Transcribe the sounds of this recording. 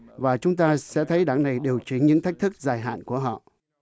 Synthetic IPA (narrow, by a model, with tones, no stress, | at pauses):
vaː˨˩t͡ɕʊ˨˦ŋ͡mt̪aː˧sɛ̰˧˥t̪ʰə˨˦jɗaː˧˩ŋna˨˩jɗi˨˩əwt͡ɕi˨˧˩ŋɲɨ̰˧˥ŋt̪ʰa˦˥k̚t̪ʰɨ˦˥k̚zaː˨˩jɦa̰ː˧˨nku˧˩əɦɔ̰˧˨